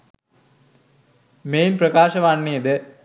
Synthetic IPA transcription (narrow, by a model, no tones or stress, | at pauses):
meːnprɐkaːʃɐʋaɳːijɐd̪ə